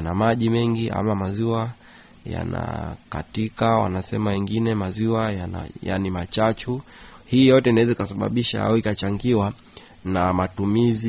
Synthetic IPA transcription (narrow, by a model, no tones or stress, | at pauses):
namaʄimɛŋɡiʔa̰mamaziwa | ja̰na̰ka̰tikawa̰nasɛmawɛŋɡinɛmaziwajana̰ja̰nimat͡ʃat͡ʃuhiːjɔtɛnawɛzaikasaɓa̰ɓiʃaa̰uikat͡ʃaŋɡiwa | namatumizi